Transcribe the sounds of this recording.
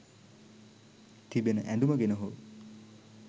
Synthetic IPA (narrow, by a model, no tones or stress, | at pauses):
t̪ʰibenəʔɛduməɡenəɦo